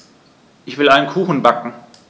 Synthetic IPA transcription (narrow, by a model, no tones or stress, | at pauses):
ʔɪçv̥ɪlʔaɪnənkʰuːxn̩bakŋ̩